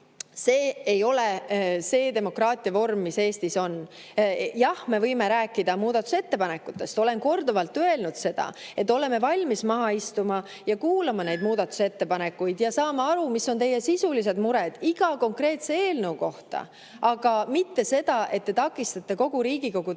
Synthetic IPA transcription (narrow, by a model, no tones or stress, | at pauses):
se̞ːejo̞lese̞ːd̪e̞mo̞krɑːt̪ʲˑiɑvo̞rmːise̞ːst̪iso̞n | jɑhme̞vɤjme̞ɾæːkːˑid̪ɑmuːd̪ɑt̪ːu̥se̞t̪ːe̞pɑne̞kːˑut̪ːˑe̞st̪o̞le̞nko̞rd̪ovɑlt̪ːˑøe̞lnud̪̥se̞d̪̥ɑ̰e̞t̪ːˑo̞le̞mevɑlʲmismɑɦɑist̪umɑ | jɑkuːlɑmɑne̞jd̪̚muːd̪ɑt̪ːˑu̥se̞t̪ːe̞pɑne̞kːˑujd̪̥jɑsɑːmeɑɾumisːo̞nt̪e̞jːesisulise̞d̪muɾed̪̥iɡ̥ɑko̞ŋkre̞ːt̪se̞eːlnɤwko̞ht̪ɑ̰ | ʔɑɡ̥ɑmit̪ːe̞se̞d̪̥ɑʔe̞t̪̚ːe̞t̪ɑkːˑist̪ɑt̪ːˑe̞ko̞ɡ̥uɾiːɡ̥iko̞ɡ̥u